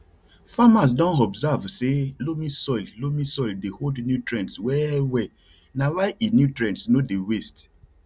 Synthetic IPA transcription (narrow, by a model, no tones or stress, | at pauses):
famas̬dɔ̃nɔbzavselomĩsɔɪllomĩsɔldehodnjutɹɛ̃ntswɛwɛ | nawaɪinjutɹɛ̃ntsnodewest